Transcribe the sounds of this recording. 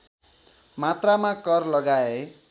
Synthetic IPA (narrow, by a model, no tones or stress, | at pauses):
mat̪ramakʌrlʌɡae